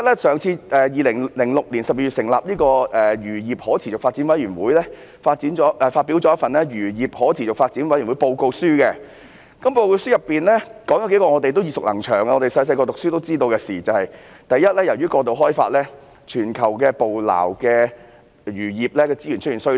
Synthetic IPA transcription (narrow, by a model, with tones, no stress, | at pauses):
t̚lɛ˥sœː˨˩ŋt͡sʰiː˧ʔɛː˨jiː˨lɪ˨˩ŋlɪ˨˩ŋlʊ˨k̚liː˨˩nsɐ˨p̚jiː˧˩yː˨tsɪ˨˩ŋlaː˨p̚niː˥kɔː˧ɛː˨jyː˨˩jiː˨p̚hɔː˨˥t͡sʰiː˨˩t͡sʊ˨kfaː˧tt͡siː˨˥nwɐ˨˥jɥyː˨˩nwuː˨˥jlɛː˥ | faː˧t̚t͡siː˨˥nt͡ʃɔː˨˥ʔɛː˨˩faː˧t̚pi˨˥wt͡sɔː˨˧jɐ˥tfɐ˨nlɛː˥jyː˨˩jiː˨p̚hɔː˨˥t͡sʰiː˨˩ʊ˨k̚faː˧t̚t͡siː˨˥nwɐ˨˥jyː˨˩wu˨˥po˧wko˧wsyː˥kɛ˧ | kɐ˨˦mpo˧wwko˧wsyː˥jɐ˨˩pːiː˨nlɛː˥kɔː˨˥ŋjɐ˨˥ke˨˥jkɔː˧ŋɔː˨˧t̪e˨jt̪o˥wjiː˨˩sʊ˨k̚lɐ˨˩ŋt͡ʃʰœː˨˩ŋa˧ŋɔː˨˧te˨jsɐ˧jsɐ˧jkɔː˧t̪ʊ˨ksyː˥t̪o˥wt͡siː˥t̪̬o˧wkɛ˧siː˨˩t͡sɐ˨whɐ˨j | t̪ɐ˨jjɐ˥t̚lɛː˥jɐ˨˩wjyː˥kɔː˧t̪̬o˨wɦɔː˥jfa̰ː˧t̚lɛː˥ | t͡ʃʰyː˨˩nkʰɐ˨˩wkɛː˧po˨wla̰ː˨˩wkɛː˧ | jyː˨˩jiː˨p̚lɛː˥kɛː˧t͡siː˥jyː˨˩t͡ʃʰɵ˥t̚i˨˩nsj